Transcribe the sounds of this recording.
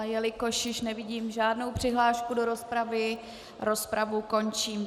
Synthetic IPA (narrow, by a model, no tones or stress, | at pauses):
jɛlɪkoʃjɪʃnɛvɪɟiːmʒaːdnowpr̝̥ɪɦlaːʃkudo̞ɾo̞spɾavɪ | ɾo̞spɾavuko̞nt͡ʃiːm